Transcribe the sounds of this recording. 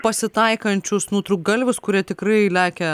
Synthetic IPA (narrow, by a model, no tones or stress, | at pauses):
pɐsʲɪt̪ɐɪkɐnʲt͡ʃʲʊsnuːt̪ɾʊk̚ɡɐlʲʋʲɪskʊɾʲiɛt̪ʲɪkɾɐɪlʲæːkʲɛ